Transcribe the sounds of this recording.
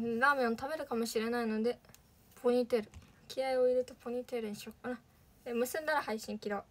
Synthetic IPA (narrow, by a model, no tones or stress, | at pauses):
ɯɾaːmẽɰot̪abe̞ɾɯ̟kamo̞ɕiɾe̞naino̞d̪e̞ | pʰoɲ̟it̪eɾɯ̟ | kʲiaio̞iɾet̪o̞pʰoɲ̟ʲit̪e̞ɾɯ̟ɲɕoɾa | emɯ̟sẽnd̪aɾahaiɕĩŋkʲiɾoː